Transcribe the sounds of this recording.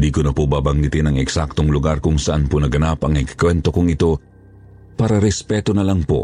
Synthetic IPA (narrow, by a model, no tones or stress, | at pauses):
d̪ikʊnɐpobaːbaŋɡɪt̪inɐŋɛksak̚t̪oŋlʊɡaɾkʊŋsɐʔanponɐɡɐnapɐŋɪɡkwɛnt̪okʊŋɪt̪o | paɾaɾɛspɛt̪onɐlaŋpo̰